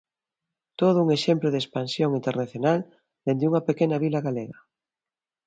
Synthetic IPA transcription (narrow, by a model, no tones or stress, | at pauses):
t̪oð̞ʊuŋeʃemplʊðespansjoŋint̪eɾnaθjonal | d̪end̪uŋɐpekenɐβilaɣaleɣɐ